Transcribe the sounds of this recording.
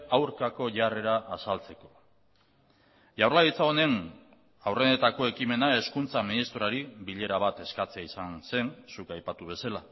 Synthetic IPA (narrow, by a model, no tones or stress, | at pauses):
awɾkako̞ʝare̞ɾaʔːsalt͡se̞ko̞̥ | ʝawrlaðit͡saone̞n | awrenet̪ako̞e̞kime̞nae̞skunt͡saminist̪ɾoaɾiβiʎe̞ɾaβ̞at̪e̞skat͡seaisanse̞nsukajpat̪uβ̞e̞sela